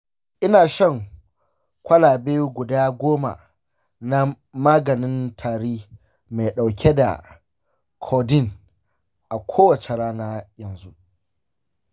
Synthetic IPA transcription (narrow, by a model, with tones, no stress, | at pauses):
ʔɪ˦naː˨ʃɐ˦˨ŋ | kʷɐ˦laː˨beː˦ɡʷʊ˨daː˦ɡʷoː˦ma̰˨ | na˦ | maː˦ɡɐ˨nɪ˦ntʰaː˨ɽiː˦ | ma˨jɗa˨wkʲʰe˦da̰˨ | kʰɔː˨dɪ˦˨n | ʔa˨kʷʰoː˦wɐ˨t͡ʃe˨ɾaː˦naː˦jɐ˨nzu˦ʔ